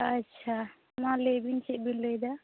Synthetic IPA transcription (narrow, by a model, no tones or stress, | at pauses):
ətːʃʰa | malebinseʔ̚binləjd̪a